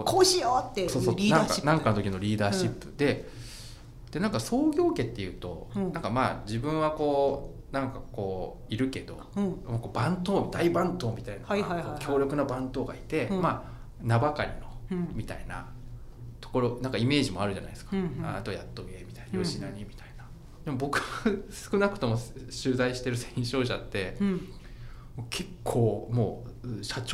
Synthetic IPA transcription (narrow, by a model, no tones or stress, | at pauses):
okoɕijot̪ːesoːsonãka̰nãŋkant̪okʲinoɾʲiːd̪aːɕipːɯ̟d̪̥e̞ | d̪̥e̞nãŋkaso̞ːɡʲo̞ːke̞t̪ːe̞jɯ̟ːt̪o̞̰ãŋkama̰ːd͡ʑibɯ̟̃ɰ̃βako̞ː | nãŋkako̞ː | iɾɯ̟ke̞d̪o̞̰mako̞ːbãnt̪o̞ːd̪aibãnt̪o̞ːmʲit̪ainkʲo̞ːɾʲjo̞kɯ̟nabãnt̪o̞ːɡa̰it̪e̞ma | nabakaɾʲḭno̞mʲit̪a̰ina̰ | t̪o̞̥ko̞ɾo̞nãŋkaime̞ːʑimo̞aɾɯ̟ʑa̰na̰id̪esɨ̥kaat̪ojat̪ːoɡe̞ːmʲit̪ainajoʑinaɲ̟imʲit̪aina | d̪emo̞bo̞kɯ̟βasɨ̥kɯ̟nakɯ̟̥t̪o̞mo̞ɕɨːzaiɕi̥t̪e̞ɾɯ̟sẽĩɕo̞ːɕa̰t̪ːe̞ | mokʰe̞kʰːoːmo̞ːɕat͡ɕ